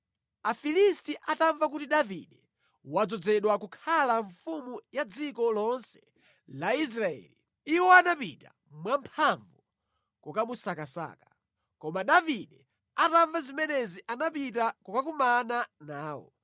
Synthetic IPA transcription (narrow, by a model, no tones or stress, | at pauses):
afilistiʔataɱvak̬utiɗavḭɗɛ | wad͡zɔd͡zɛɗwakukʰalaɱfumujad͡zikɔlɔnsɛ̥ | lais̬ɾaɛ̰li | iwɔanapita̰ | mwampʰaɱvu | kɔkamusakasa̰kḁ | kɔmaɗaviɗɛ | ataɱvazimɛnɛziʔanapitakɔkakumananaːwɔ̰